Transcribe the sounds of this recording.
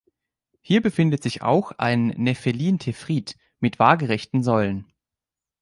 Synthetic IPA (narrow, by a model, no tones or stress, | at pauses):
hiːɐbəfɪndətz̥ɪça̰ʊxʔa̰ɪnːɛfeliːntʰefʁ̥iːt | mɪtv̥aːɐɡəʁɛçtn̩zɔʏlən